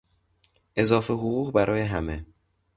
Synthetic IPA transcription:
ʔe̞zɒːfeɦoɣuːɣbæɾʔɒːje̞ɦæme

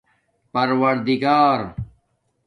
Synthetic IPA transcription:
pɐɾwɐɾd̪iɡaːɾ

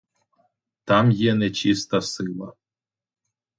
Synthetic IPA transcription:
t̪ɑmjɛnɛt͡ɕist̪ɐsɨlˠɐ

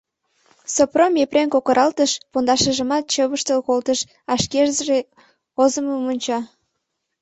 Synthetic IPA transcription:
sopromepreŋkokəɾʔɑlt̪əʃpond̪ɑʃəʒəmɑt̪̚t͡ɕəβəʃt̪əlkolt̪əʃ | ɑʃkeʒzəʒe | ozəməmonʲt͡ɕɑ

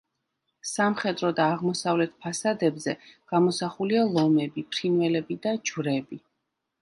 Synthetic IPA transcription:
samχɛd̪ɾɔd̪aːʁmɔsavlɛt̪ʰpʰasad̪ɛbzɛɡ̥amɔsaχulialˠɔmɛbipʰɾinvɛlɛbid̪ad͡ʒvɾɛbi

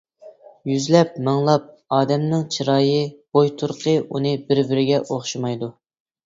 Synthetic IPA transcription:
jyzlɛp̚mɨŋlˠɑp̚ | ɑːd̪ɛmnɪŋt͡ʃʰiɾɑːjɨb̥ojt̪ʰuɾqʰəunɨbɪɾbɪɾɪɡʲɛʔoχʃimɑjd̪u

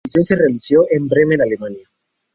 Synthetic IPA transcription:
isenserealisjoʔembɾemenalemanja

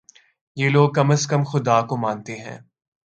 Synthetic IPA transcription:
jeːloːɡ̚kɐməskəmxʊd̪aːkomãːnt̪eɦɛ̰̃ː

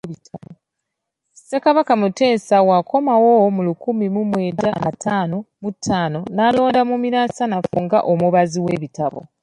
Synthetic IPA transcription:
tʰao | se̞kaβakamute̞ːsawako̞mawomulukumimumwe̞ːɟanatʰaːno̞mutʰːaːno̞nalo̞ːndamumiɾaːsanafuŋɡa̰ʔomuβaziwe̞ːβitaβo̞̰

